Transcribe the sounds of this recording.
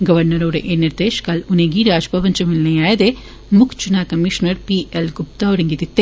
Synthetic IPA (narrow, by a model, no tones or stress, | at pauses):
ɡɐʋɐɾnɐɾoːɽɐ̰ʔeːniɾd̪eːʃkaːlʊnɐɡiɾaːd͡ʒpɐʋɐɲd͡ʒɐmɪlːɐjaːjɐd̪e | mʊkt͡ʃunaːkɐmiʂnɐɾpiʔelɡʊp̚t̪aːɔɽɐŋɡiðɪt̪ːe